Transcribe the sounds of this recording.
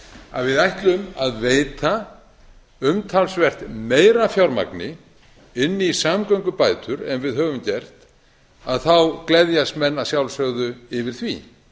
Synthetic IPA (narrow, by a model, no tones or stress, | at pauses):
a̰ðvɪðajht̪lʏmaðveːjt̪a | ʏmt̪ʰalsvɛr̥t̪meːjɾafjawɾma̰knɪ | ɪnːɪisamkœwŋkʏpaːjt̪ʰʏɾɛmvɪðɦœːvʏmcɛr̥t̪ | aðθawklɛðjast̪mɛnːaðsjawlsœɣðʏɪvɪɾ̥θvḭ